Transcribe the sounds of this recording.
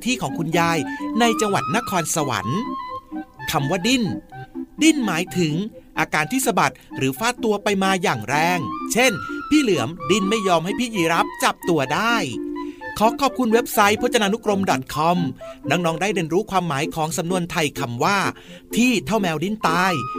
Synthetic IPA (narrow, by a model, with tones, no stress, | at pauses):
t̪ʰiː˥˩kʰɔː˩˦ŋkʰu˧njaː˧jna˧jt͡ɕa˧ŋwa˨˩t̪̚na˦˥kʰɔː˧nsa˧wa̰˩˦n | kʰa˧mwaː˥˩di˥˩ndi˥˩nmaː˩˦jt̪ʰɯ˩˦ŋʔaː˧kaː˧nt̪ʰiː˥˩sa˧ba˨˩t̪̚ɾɯː˩˦faː˦˥t̪ːu˧ɐpa˧jmaː˧jaː˨˩ŋɾɛː˧ŋt͡ɕʰe˥˩npʰiː˥˩lɯ˩˦əmdi˥˩nma˥˩jːɔː˧mɦa˥˩jpʰiː˥˩jiː˨˩˦ɾa˦˥p̚t͡ɕa˨˩p̚t̪u˧ɐdaː˥˩jkʰɔː˨˩˦kʰɔː˨˩p̚kʰu˧nwe˦˥p̚sa˦˥jpʰɔ˦˥t̪̚t͡ɕa˧naː˧nu˦˥kɾo˧mdɔ˨˩t̪̚kʰɔ˧mnɔː˦˥ŋ̚nɔː˦˥ŋdaː˥˩jɾe˧nɾuː˦˥kʰwaː˧mːaː˩˦jkʰɔː˩˦ŋsa˨˦mnu˧ənt̪ʰa˧jkʰa˧mwaː˥˩ | t̪ʰiː˥˩t̪ʰa˥˩wmɛː˧wdi˦˥˩nt̪aː˧j